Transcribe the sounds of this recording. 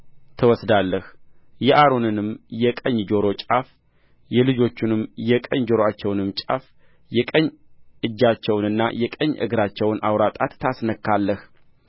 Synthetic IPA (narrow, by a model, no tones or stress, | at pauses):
t̪ʰəwɔsd̪alːəhjɛʔaɾo̞nɨnɨmjɛkʼəɲːd͡ʒo̞ɾo̞t͡ʃʼaf | jɛlɨd͡ʒo̞t͡ʃːunɨmjɛkʼəɲd͡ʒo̞ɾoat͡ʃːɛwnɨmːt͡ʃʼa̰f | jɛkʼəɲːʔɨd͡ʒːat͡ʃːɛwnɨnːa̰jɛkʼəɲːʔɨ̰ɡɨɾat͡ʃːɛwnʔa̰wɾat̪ʼat̪ːasnəkːalːəh